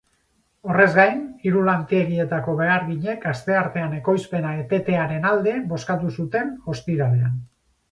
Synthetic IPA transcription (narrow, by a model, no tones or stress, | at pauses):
o̞re̞zɡajniɾulant̪ieɣie̞t̪ako̞βe̞aɾɣiɲe̞kast̪e̞aɾt̪e̞ane̞ko̞jspe̞naet̪e̞t̪e̞aɾe̞nald̪e̞bo̞skat̪usut̪e̞no̞st̪iɾale̞an